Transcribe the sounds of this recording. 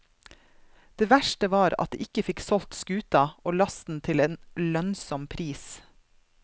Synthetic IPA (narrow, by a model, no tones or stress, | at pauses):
d̪̥eːʋæʃʈəʋɑːɾɑ̰t̪̚d̪ḛːʔɪkəfɪksɔlt̪skʉːt̪ɑʔoːlɑst̪n̩t̪ʰɪleːnlœnsɔmpʰɾiːs